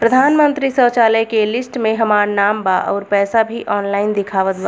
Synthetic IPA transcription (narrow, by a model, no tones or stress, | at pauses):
pɾəd̪ʱaːnmə̃nt̪ɾisəːt͡ʃaːləjkelɪsʈmẽɦɐmaːɾnaːmbaʔɔ̰ːɾpɛːsabʱiʔɔːnlaːɪnd̪ɪkʰaːʋət̪ʋa